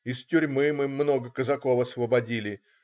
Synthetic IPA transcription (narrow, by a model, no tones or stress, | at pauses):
ɪstʲʊrʲmɨmɨmːno̞ɡəkəzɐkofɐsvəbɐdʲilʲɪ